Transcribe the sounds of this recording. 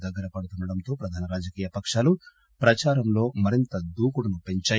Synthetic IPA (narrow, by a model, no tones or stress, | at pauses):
d̪ɐɡːɐɾɐpɐɽut̪unːɐɽɐnt̪o̞ːpɾɐd̪ʱaːnɐɾaːd͡ʒɐkiːjɐpɐkʂaːlu | pɾɐt͡ʃaːɾɐmlo̞ːmɐɾint̪ɐd̪uːkuɽɐnupe̞ɲt͡ʃaː